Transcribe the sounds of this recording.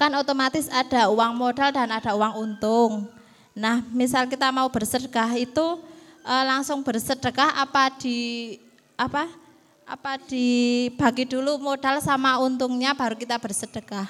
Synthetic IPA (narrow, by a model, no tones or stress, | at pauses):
kanot̪omat̪ɪsad̥a̤uwaŋmoɖ̥a̤ld̥a̤nad̥a̤uwaŋunt̪ʊŋ | nahmisalkit̪amaub̥ərsədəɡahit̪uʔəlaŋsʊŋb̥ərsəd̥əkahʔa̰pad̥i̤ | apa | ʔa̰pad̥i̤b̥a̤ɡid̥ulumoɖ̥a̤lsamaunt̪uŋɲab̥a̤ɾukit̪ab̥ərsəd̥əɡ̥ah